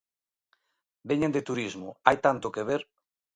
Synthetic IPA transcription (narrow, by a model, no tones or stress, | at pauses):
beɲẽnd̪et̪uɾizmoajt̪ant̪okeβ̞eɾ